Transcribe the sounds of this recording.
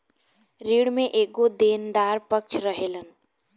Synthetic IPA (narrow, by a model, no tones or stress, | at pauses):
ɾiːɽmẽʔeːkod̪eːnd̪aːɾpək̚t͡ʃʰɾəɦeːlən